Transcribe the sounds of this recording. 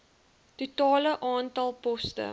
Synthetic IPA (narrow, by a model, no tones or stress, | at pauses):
tutɑːləʔɑːntɐlˠpɔstə̰